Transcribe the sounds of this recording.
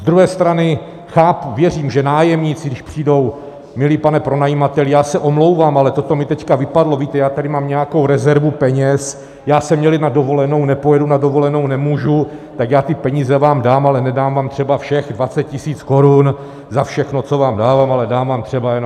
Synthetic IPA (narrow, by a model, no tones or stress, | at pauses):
zd̪ɾuɦɛːst̪ɾanɪ | xaːpuvjɛriːmʒɛnaːjɛmɲit͡sɪɡdɪʃpr̝̥iːdo̞w | mɪliːpanɛpɾo̞najimat̪ɛlɪjaːsɛʔo̞mlo̞wvaːmalɛt̪o̞t̪o̞mɪt̪ɛckavɪpadlo̞viːt̪ɛjaːt̪adɪmaːmɲɛjako̞wɾɛzɛɾvupɛɲɛs | jaːsɛmɲɛlɪnado̞vo̞lɛno̞wnɛpojɛdunado̞vo̞lɛno̞wnɛmuːʒut̪akjaːt̪ɪpɛɲiːzɛvaːmdaːmalɛnɛdaːmvaːmt̪r̥ɛbafʃɛxdvat͡sɛt̪̚cɪsiːt͡sko̞ɾun | zafʃɛxno̞t͡so̞vaːmdaːvaːmalɛdaːmvaːmt̪r̝̥ɛbajɛnom